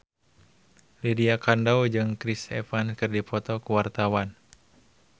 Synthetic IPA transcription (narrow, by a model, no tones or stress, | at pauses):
lidiakandawd͡ʒɨŋkɾisɛfanskɨrdipɔt̪ɔkuwart̪awan